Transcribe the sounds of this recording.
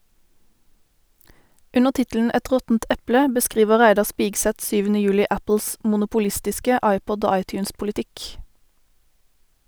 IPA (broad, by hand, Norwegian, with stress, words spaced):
ˈʉnəʁ ˈtɪtəln̩ ˈɛt ˈʁɔtn̩t ˈɛplə bəˈskʁiːʋəʁ ˈʁæɪdɑʁ ˈspɪɡsɛt ˈsyːʋənə ˈjʉːlɪ ˈæpl̩s mʊnʊpʊˈlɪstɪskə ˈɑɪˌpɔd ˈoː ˈɑɪˌtjʉːnspʊlɪˌtɪk